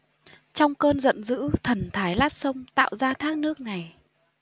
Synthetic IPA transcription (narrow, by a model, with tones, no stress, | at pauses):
t͡ɕɔ˧wŋ͡mkəː˧nzə̰˧˨nzɨ̰˧˥t̪ʰə˨˩nt̪ʰaː˨˦jlaː˦˥t̚sə˧wŋ͡mt̪a̰ː˧˨wzaː˧t̪ʰaː˦˥k̚nɨ˦˥ək̚na˨˩j